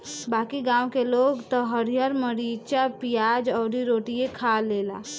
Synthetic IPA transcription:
bakiɡãwkeloɡt̪ɔɦəɾijəɾməɾit͡ʃapijad͡ʒɔːɾiɾoʈijekʰalela̰

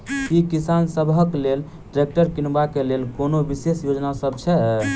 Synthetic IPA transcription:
kikisansəbʱəklel | ʈɾek̚ʈəɾkinbakelelkonobisesjod͡ʒnasəb̚t͡ʃʰɛ

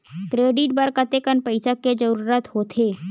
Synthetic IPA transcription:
kɾeːɖɪʈ̚bəɾkət̪ekənpəɪsəked͡ʒəɾuːɾət̪ɦoːt̪ʰeː

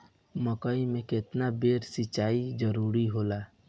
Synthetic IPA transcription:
məkaːimẽkɪt̪nabeːɾsɪt͡ʃaːid͡ʒəɾuːɾiɦoːlaː

